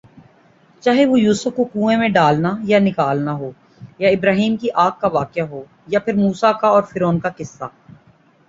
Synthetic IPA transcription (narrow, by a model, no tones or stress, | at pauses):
t͡ʃaːɦeʋojuːsəfkokũːẽmẽɖaːlnajanɪkaːlnaɦoː | jaɪbɾaːɦiːmkiʔaːk̚kːaʋaːkɪjaɦoː | japʰɪɾmuːsakaɔːɾfɪɾoːnkakɪsːa̰ː